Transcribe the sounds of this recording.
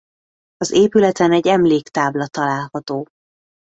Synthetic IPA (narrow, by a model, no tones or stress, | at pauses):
ɒzeːpylɛt̪ɛnɛɟːɛmleːkt̪aːblɒt̪ɒlaːlhɒt̪oː